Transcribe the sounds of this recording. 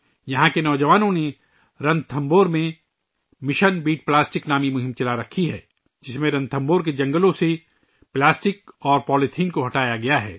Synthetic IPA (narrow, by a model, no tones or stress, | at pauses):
jɐɦãkenɔːd͡ʒɐʋaːnõne | ɾɐ̃nd̪̚t̪ʰɐ̃mboːɾmẽ | mɪʃənbiːʈ̚plaːsʈɪknaːmimʊɦɪ̃mt͡ʃɐlaɾɐkʰiɦɛ̰ː | d͡ʒɪsmẽɾɐ̃nd̪̚t̪ʰɐ̃mboːɾk̬ed͡ʒɐ̃ŋɡəlõse | plaːsʈɪkɔːɾpɔːlɪt̪ʰɪ̃nkoɦɐʈaːjaɡɐjaɦɛ̰ː